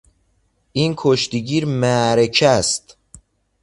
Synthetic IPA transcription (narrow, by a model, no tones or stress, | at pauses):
iːnkʰoʃt̪iɟiːɾmæɾecʰæst̪